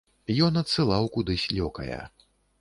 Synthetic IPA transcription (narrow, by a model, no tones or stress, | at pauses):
jɔnɐt̪sɨlˠawkud̪ɨsʲlʲɔkɐ̰jɐ̰